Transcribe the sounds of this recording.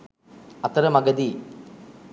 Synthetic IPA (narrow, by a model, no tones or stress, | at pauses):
ɐt̪ɐɾɐmɐɡɐd̪i